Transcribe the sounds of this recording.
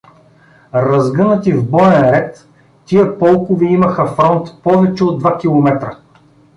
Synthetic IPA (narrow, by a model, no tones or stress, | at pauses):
ɾɐzɡɤnət̪ivbɔɛnɾɛt̪ː | iəpɔlˠkʊviimɐxɐfɾɔnt̪pɔvɛt͡ʃɛod̪vakʲilˠomɛt̪ɾə